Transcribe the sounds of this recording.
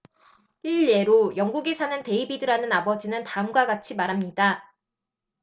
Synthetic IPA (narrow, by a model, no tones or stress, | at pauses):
iʎːe̞ɾojʌŋɡuɡesʰanɯnte̞ibidɯɾanɯnabʌd͡ʑinɯntaɯmɡwaɡat͡ɕʰimaɾɦamɲida